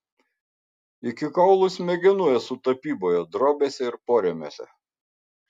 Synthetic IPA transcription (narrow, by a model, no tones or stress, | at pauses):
ɪkʲɪkɐʊlˠʊsmʲɛɡʲɪnuɔjɛsʊt̪ɐpʲiːboːjod̪ɾoːbʲeːsʲɛɪɾpoːɾʲɛmʲo̰ːsʲɛ̰